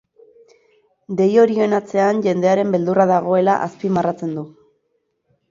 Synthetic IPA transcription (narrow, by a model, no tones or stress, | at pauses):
d̪e̞jo̞ɾie̞nat͡se̞anʝe̞nd̪e̞aɾe̞mbe̞ld̪uraðaɣ̞o̞e̞laʔaspimarat͡se̞nd̪u